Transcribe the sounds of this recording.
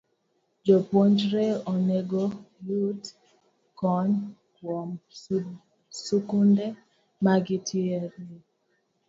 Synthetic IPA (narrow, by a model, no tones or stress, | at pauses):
d͡ʒɔpoɲd͡ʒɾɛɔnɛɡɔjut | kɔn | kwɔm | sukundɛ | maɡitʰiɛɾi